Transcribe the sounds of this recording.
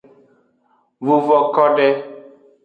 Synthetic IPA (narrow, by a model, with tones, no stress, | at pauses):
vu˨vɔ˨kɔ˦ɖɛ˦